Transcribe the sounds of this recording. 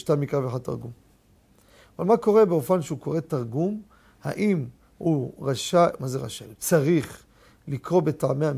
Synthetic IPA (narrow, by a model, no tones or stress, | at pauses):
ʃtamikaveħad̚t̪aʁɡum | avalmako̞ʁe̞beofanʃeuko̞ʁet̪aʁɡum | ha̰ʔim | huʁaʃamazeʁa̰ʃalt͡saʁiχ | likʁo̞be̞taʕmeam